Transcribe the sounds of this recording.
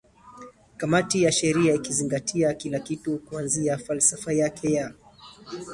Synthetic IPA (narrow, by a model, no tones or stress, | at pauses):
kamatijaʃɛɾiaikiziŋɡatʰiakilakitukuanziafalsafajakʰɛja